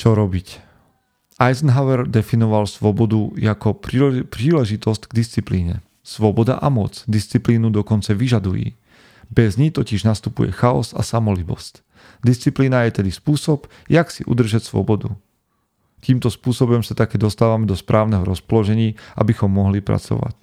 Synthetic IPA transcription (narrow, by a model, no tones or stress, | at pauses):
t͡ʃɔɾɔbic | ajznɦaʊɛɾd̪ɛfinɔʋalsʋɔbɔd̪ujakɔpɾiːlɛʒit̪ɔscɡd̪ist͡sipliːɲɛ̰ | sʋɔbɔd̪a̰ʔamɔt͡sd̪ist͡sipliːnud̪ɔkɔnt͡saʋiʒad̪ujḭː | bɛzɲit̪ɔciʒnast̪upṵjɛ̰xaɔ̰sa̰samɔlibɔ̰sc | d̪ist͡sipliːnajɛt̪ɛd̪ispuːsɔb | jaksḭʔṵd̪r̩ʒacsʋɔ̰bɔd̪u | t̪iːmt̪ɔspuːsɔbɔmsat̪akɛːd̪ɔst̪aːʋamɛd̪ɔspɾaːʊnɛɦɔɾɔspɔlɔʒɛɲiːʔa̰bixɔmːɔɦlipɾa̰t͡sɔ̰ʋa̰c